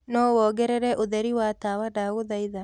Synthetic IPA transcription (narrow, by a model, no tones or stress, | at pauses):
nɔwɔɡɛɾɛɾɛʔoðɛɾiwatawadaɣoðaiða